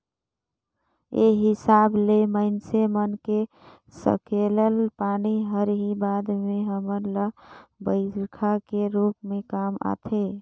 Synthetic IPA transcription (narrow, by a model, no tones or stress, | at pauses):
ḛɦɪsaːbleməɪnsemənke | sə̰keləlpaːniɦəɾɦibaːd̪mẽɦəməɾləbəɪkʰakeɾuːpmẽkaːma̰t̪ʰe